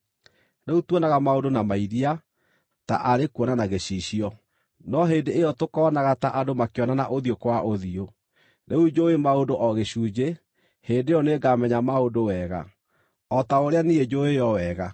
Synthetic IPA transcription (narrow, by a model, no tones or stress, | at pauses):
neutwɔnaɣamaondonamaiɾia | ta̰ʔaɾekuɔnanaɣeɕiɕiɔ | nɔɦeːndeːjɔtokɔːnaɣataʔadomakeɔnanaʔoðiokwaʔoðio | neud͡ʒoemaondoʔɔɣeɕuːd͡ʑe | heːndeɔneɡamɛɲamaondowɛːɣa̰ | ɔtaoɾeanied͡ʒoejɔwɛːɣa